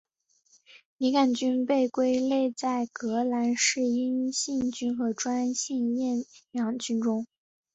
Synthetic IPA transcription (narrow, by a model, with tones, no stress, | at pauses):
li˧˥ka˨˩nt͡ɕy˥npe˥˩ɪkwe˥ɪle˥˧ɪt͡sa˥˩ɪkɤ˧˥la˧˥nʂɻ̩˥˩i˥nɕi˥˩ŋt͡ɕy˥nxɤ˧˥ʈ͡ʂwa˥nɕi˥˧ŋjɛ˥˩njɑ˧˥ŋt͡ɕy˥nʈ͡ʂʊ˥ŋ